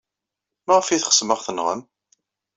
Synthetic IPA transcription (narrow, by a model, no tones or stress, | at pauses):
maʁəfiθχə̥sməʁθənʁə̰m